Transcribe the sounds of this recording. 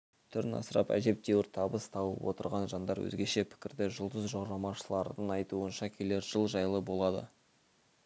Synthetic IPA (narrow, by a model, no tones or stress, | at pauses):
t̪ʰʏɾɪnɑ̰səɾɑpæ̰ʒe̞p̚d̪e̞wɪɾt̪ʰɑbəst̪ʰɑwəwo̰t̪əɾʁɑnʒɑnd̪ɑɾwɵ̰zɡʲe̞ʃe̞pʰɪ̥kʲɪɾd̪ɪʒəlˠd̪əzʒoɾɑmɑʃəlˠɑɾd̪əŋɑjt̪uənʃɑkʲʰe̞le̞ɾʒ̥əlˠʒɑjlˠəbo̞lˠɑd̪ə̰